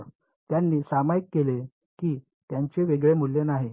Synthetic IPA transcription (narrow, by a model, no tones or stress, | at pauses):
t̪janːiːsamajkːele | kiː | t̪jaɲt͡ɕeʋeɡɭemulːenaɦe